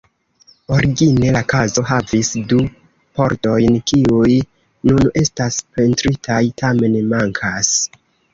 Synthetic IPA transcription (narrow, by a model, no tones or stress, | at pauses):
o̞ɾiɡine̞lakazo̞ɦavisdu | po̞ɾto̞jnkiuj | nune̞staspe̞ntɾitʰajtʰame̞nmaŋkʰas